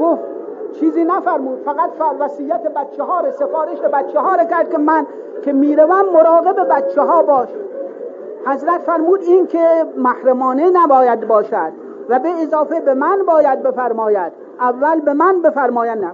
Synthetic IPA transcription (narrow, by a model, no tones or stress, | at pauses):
ɡoft̪t͡ʃʰiːziːnæfæɾmuːd̪̥fæɣæt̪fæʋæsiːjːæt̪ʰebæt̪t͡ʃʰːeɦɒːɾesefɒːɾeʃebæt̪t͡ʃʰːeɦɒːɾekæɾd̪̚kʲemæn | kʲʰe̞miːɾævæmːoɾɒːɣebebæt̪t͡ʃʰːeɦɒːbɒːʃ | hæzɾæt̪fæɾmuːd̪iːnkʰemæhɾæmɒːnenæbɒːjæd̪bɒːʃæd̪ | væbeːzɒːfebemænbɒːjæd̪̚be̞fæɾmɒːjæd̪̥ | ʔævːælbe̞mænbe̞fæɾmɒːjænæ